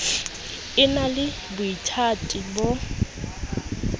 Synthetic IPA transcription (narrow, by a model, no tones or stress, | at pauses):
ɪnalɪ | bʊitʰatʼibo